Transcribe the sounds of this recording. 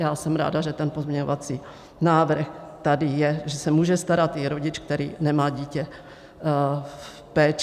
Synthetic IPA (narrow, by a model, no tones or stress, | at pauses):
jaːsɛmɾa̰ːdaʒɛt̪ɛnpozmɲɛɲovat͡si | naːvr̩xt̪adɪjɛʒɛsɛmuːʒɛst̪aɾat̪ɪɾoɟɪt͡ʃk̚t̪ɛɾḭːnɛmaːɟiːcɛ | pɛːt͡ʃ